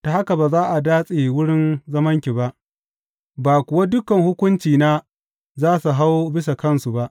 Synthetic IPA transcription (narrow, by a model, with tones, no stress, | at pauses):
ta˨ha˦ka˨baː˨zaː˦ʔa˨daː˦sʼeː˨wʊ˦ɽɪ˦nzɐ˦mɐ˦ŋkʲiː˨ba˦ʔ | baː˨kʷʊ˨wa˦dʊ˦kɐ˨ŋhʊ˦kʷʊ˦nt͡ʃiː˨naː˦ | zaː˦su˨ɦa˦wbɪ˦s̬a˨kɐ˦˨nsu˨ba˦ʔ